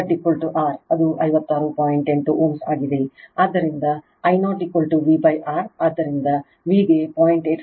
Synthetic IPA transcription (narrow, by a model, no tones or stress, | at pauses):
ʈikʋɐlʈuʔaːɾɐd̪uʔɐjʋɐt̪ːaːɾupaːjiɳʈeɳʈuʔuːmsaːɡid̪eaːd̪ːɐɾind̪ɐ | ɐjnoːʈikʋɐlʈuʋiːbɐjʔaːɾaːd̪ːɐɾind̪ɐ | ʋiːɡepaːjiɳʈeːʈ